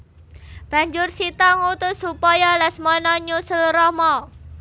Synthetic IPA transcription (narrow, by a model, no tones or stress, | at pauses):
b̥a̤ɲd͡ʒʊrsit̪aŋut̪ʊsupajalasmɔnɔɲusəlɾɔmɔ